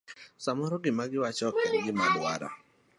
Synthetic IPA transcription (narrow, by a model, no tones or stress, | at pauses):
samɔɾɔɡɪmaɡɪwat͡ʃɔkɛdɡɪmadwa̰ɾa̰